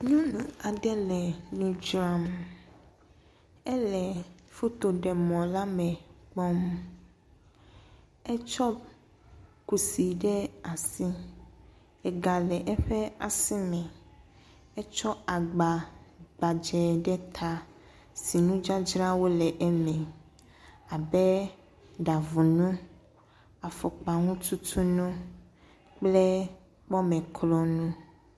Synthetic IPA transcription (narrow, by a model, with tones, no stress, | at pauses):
ɲũ˦nũ˨a˨ɖɛ˦lɛ˨nũ˦d͡ʒɾa˦m | ɛ˦lɛ˨fu˦t̪o˨ɖɛ˨mɔ̃˨la˦mɛ̃˨k͡pɔ˦m | ɛ˦t͡ʃɔ˦ | ku˨si˨ɖɛ˦a˨si˦ | ɛ˨ɡa˨lɛ˨ʔɛ˦ɸɛ˦a˨si˦nɛ̃˨ | ɛ˦t͡ʃɔ˦a˨ɡ͡ba˨ɡ͡ba˨d͡ʒɛ˨ɖɛ˦t̪ʰa˦ | si˨nũ˦d͡ʒa˦d͡ʒɾa˦wo˦lɛ˨ʔɛ˦mɛ̃˨ | a˨bɛ˦ | ɖa˨vu˨nũ˦ | a˨fɔ˨k͡pa˨ŋũ˦t̪u˦t̪ʰu˦nũ˦ | k͡ple˦ | mɔ˦mɛ̃˨kʰlɔ˨nũ˦